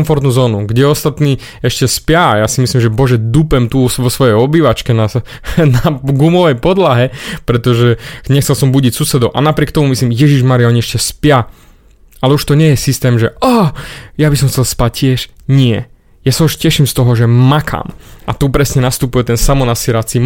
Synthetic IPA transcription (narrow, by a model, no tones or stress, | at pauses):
mfɔɾt̪nuːzɔːnuɡɟɛɔst̪at̪niː | ɛʃcɛspjajasimislimʒɛbɔʒɛd̪upɛmt̪uʋɔsʋɔjɛjɔbiʋat͡ʃkɛna | naɡumɔʋɛjpɔd̪laɦɛpɾɛt̪ɔʒɛɲɛxt͡sɛlsɔmbuɟicsusɛd̪ɔʊʔa̰napɾɪɛkt̪ɔmumislimjɛʒiʒmaɾiaɔɲiɛʃcɛspɪja | ʔalɛuʃt̪ɔɲɪɛjɛsist̪ɛːmʒɛɔjabis̬ɔmxt͡sɛlspac̚cːɪɛʃɲɪɛ̰ | jasauʃcɛʃimst̪ɔɦɔʒɛmakʰa̰ːmʔat̪upɾɛsɲɛnast̪upujɛt̪ɛnsamɔnasiɾat͡sim